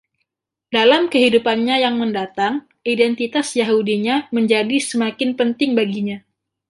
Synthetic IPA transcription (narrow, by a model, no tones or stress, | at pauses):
dalamkəɦidupanɲajaŋməndat̪aŋ | idɛnt̪it̪asjaɦudiɲaməɲd͡ʒadisəmakɪnpənt̪ɪŋbaɡiɲa